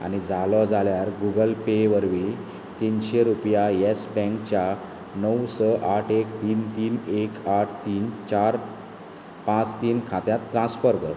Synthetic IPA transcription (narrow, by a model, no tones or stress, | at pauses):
a̰ñid͡zalɔd͡zʱaljaɾɡuɡəlpeʋəɾʋi | t̪inɕeɾupjajesbɛ̃ŋkt͡ɕja | nəwsəʔaʈʰekt̪iːnt̪iːnekaʈʰt̪iːnt͡ɕaɾ | pãt͡st̪iːnkʰat̪jat̪ːɾãnsfəɾkəɾ